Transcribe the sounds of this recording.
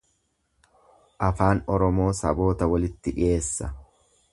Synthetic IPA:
ʔɐfaːnɔɾɔmo̞ːsɐ̰bo̞ːt̪ɐwɐlɪt̪ːɪᶑɪ̰e̞ːsːɐ

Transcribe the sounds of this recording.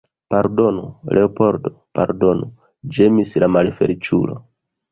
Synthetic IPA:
paɾdo̞nulʔeopo̞ɾdopaɾdo̞nu | d͡ʒe̞mislamalfe̞̰lit͡ʃṵlo̞̰

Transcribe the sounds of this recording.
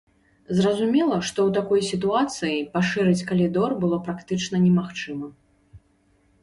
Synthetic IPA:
zrɐzumʲɛlˠɐʂt̪ɔwt̪akɔjsʲit̪uat̪sɨjipaʂɨɾɨt͡sʲkɐlʲid̪ɔrbɨlˠɔpɾakt̪ɨt͡ʂnɐnʲɛmaxt͡ʂɨmɐ

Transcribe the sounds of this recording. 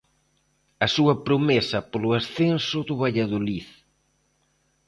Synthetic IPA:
ɐsuɐpɾomesɐpolʊasθensʊðʊβaʎaðoliθ

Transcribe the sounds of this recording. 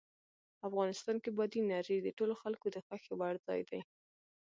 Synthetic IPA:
afɣɑnɪst̪ɑnkebɑd̪inɑɾid̪əʈoloxalkod̪əxaxewaɽzɑ̰jd̪aj

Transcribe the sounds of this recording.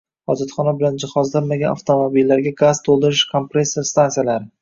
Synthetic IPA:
ɒd͡ʒat̪χɒnabɪland͡ʒɪχɒzlaɾmaɡʲana̰ft̪ʰomobilːaɾɡʲaɡazt̪ʰolˠd̪ɪɾɪʃkʰompɾeseɾst̪ansijalaɾɪ

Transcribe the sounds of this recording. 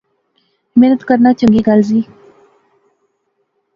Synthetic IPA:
meːnət̪kəɾnaːt͡ʃə̃ŋɡiːɡalziː

